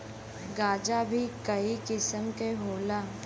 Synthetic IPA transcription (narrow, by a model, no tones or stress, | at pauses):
ɡaːd͡ʒabʱikəikɪsəmkeɦoːlaː